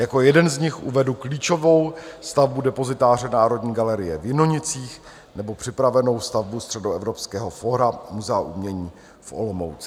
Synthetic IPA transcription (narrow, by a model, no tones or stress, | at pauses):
jako̞jɛdɛnzɲɪxʔṵvɛdukliːt͡ʃo̞vo̞wst̪avbudɛpo̞zɪt̪aːr̝ɛnaːɾo̞dɲiːɡalɛɾɪjɛvjɪnoɲɪt͡siːx | nɛbo̞pr̝̥ɪpɾavɛno̞wst̪avbust̪r̝̥ɛdoɛvɾo̞pskɛːɦo̞foːɾamuzɛaʔumɲɛɲiː | fʔo̞̰lomo̰wt͡sɪ